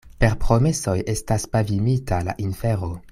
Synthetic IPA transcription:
pe̞ɾpɾo̞me̞so̞je̞staspavimitʰala̰ʔinfeɾo

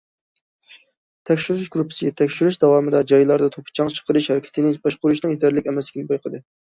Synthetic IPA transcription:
t̪ʰɛkʲʃyɾuʃɡɾupʰːɪ̥sɨɡʲɛt̪ʰɛkʲʃyɾuʃd̪ɑwɑːmɨd̪ɑd͡ʒɑjlˠɑɾd̪ɑt̪ʰopʰɨ̥t͡ʃʰɑŋt͡ʃʰə̥qʰəɾɨʃhɛɾɪkʲɛ̥t̪ɪnɪbɑʃqʊɾuʃnɨŋjid̪æɾlɪkʲɛmɛslɪkʲinɪbojqʰəd̪ɨ

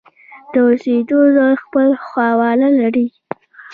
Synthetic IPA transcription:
d̪̥əosed̪ozaɾxpəlxwɑwɑlalaɾi

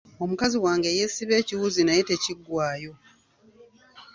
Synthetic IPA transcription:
o̞mukaziwaːŋɡejesiβe̞ːciwuzinajete̞ciɡːwaːjo̞

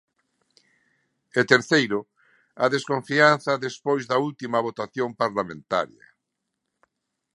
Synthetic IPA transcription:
et̪eɾθejɾʊ | a̰ðeskõɱfianθɐðespojzðɐult̪imɐβ̞ot̪aθjompaɾlamẽnt̪a̰ɾjɐ̰

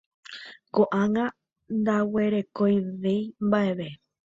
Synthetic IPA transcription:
koʔãŋã | nd̪awe̞ɾe̞kojʋejmbaʔeβe̞

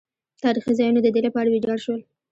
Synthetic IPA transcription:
t̪ɑɾixizɑjunod̪əd̪elepəaɽawed͡ʒɑɽʃwəl

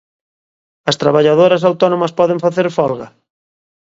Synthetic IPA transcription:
ɐst̪ɾaβaʎaðoɾɐs̬awt̪ɔnõmɐspɔðẽɱfaθeɾfɔlɣɐ

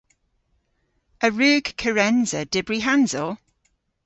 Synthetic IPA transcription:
əɹʉːɡ̥kʰəɹɛnzəd̥ɪbɹiɦanz̥ɔlˠ

